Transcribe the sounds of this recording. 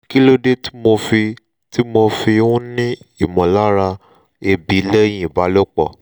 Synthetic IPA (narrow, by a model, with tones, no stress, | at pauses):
ki˦lo˦de˦ti̥˦mo˧fi˧ | ti˦mo˧fi˧ũ˦nĩ˦i˦˨mɔ̃˨la˦ɾa˧ | e˧bi˨˦lɛ˦j̃ĩ˦˨ba˨˦lo˦k͡pɔ˦˨